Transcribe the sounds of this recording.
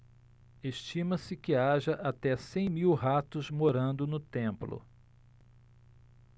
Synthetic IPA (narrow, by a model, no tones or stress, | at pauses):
eʃt͡ʃĩmɐsɪkɪaʒɐʔat̪ɛsẽj̃miwɦat̪ʊzmoɾɐ̃nd̪ʊnʊt̪ẽmplʊ̰